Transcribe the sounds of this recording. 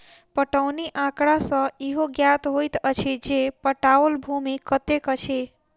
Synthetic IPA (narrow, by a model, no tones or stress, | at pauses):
pəʈəʊniʔãkɽasə̃iɦoɡjat̪ɦojt̪ət͡ʃʰid͡ʒepəʈaəlbʱumikət̪ekət͡ʃʰe